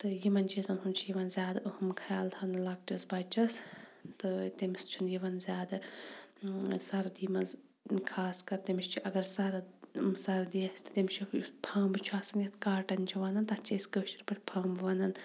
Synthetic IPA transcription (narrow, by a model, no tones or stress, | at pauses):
t̪ɨjimɐnʲt͡ʃʰizɐnɦunt͡ʃʰijiʋɐnzʲjaːd̪ɐʔuhɐmkʰaːlt̪ʰɐnlɐk̚ʈɐsbɐt͡ʃɐst̪ɨt̪imist͡ʃʰunjiʋɐnzʲjaːd̪ɨ | sɐɾd̪imɐnz | kʰaːskɐɾt̪ɐmiʃt͡ʃʰiʔɐɡɐɾsɐɾsɐɾd̪iɐsʲt̪ɨ̥t̪imt͡ʃʰipʰaːmbɨt͡ʃʰaːsɐnjɐt̪ʰkaːʈɐnt͡ʃʰuʋɐnɐnt̪ɐt͡ʃʰɐskəːt͡ʃiɾʲpɐʈʰʲpʰaːmbʋɐnɐn